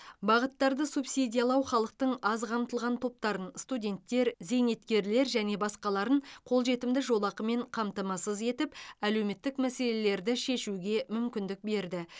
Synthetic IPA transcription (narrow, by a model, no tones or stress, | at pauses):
bɑʁət̪ːɑɾd̪əsupsidʲijalˠɑwχɑlˠəq̚t̪əɴɑzqʰɑmt̪əlˠʁɑnt̪ʰo̞p̚t̪ɑɾənst̪udʲe̞nt̪ːe̞ɾze̞jne̞t̪kʲe̞ɾle̞ɾʒæne̞bɑsqɑlˠɑɾəɴqʰo̞lˠʒe̞t̪ɪmd̪ɪʒo̞lˠɑqəme̞ɴqʰɑmt̪ɑmɑsəze̞t̪ɪpæle̞wme̞t̪ːɪkmæse̞le̞le̞ɾd̪ɪʃe̞ʃuɡʲe̞mʏmkʲɪnd̪ɪk̚be̞ɾd̪ɪ